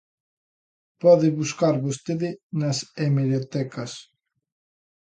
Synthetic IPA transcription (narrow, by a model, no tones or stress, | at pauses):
pɔðeβuskaɾβost̪eðɪnasemeɾjot̪ɛkɐs